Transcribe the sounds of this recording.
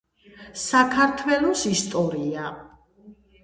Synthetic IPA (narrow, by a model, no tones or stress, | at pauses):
sakʰaɾt̪ʰwɛlˠɔsist̪ʼɔɾia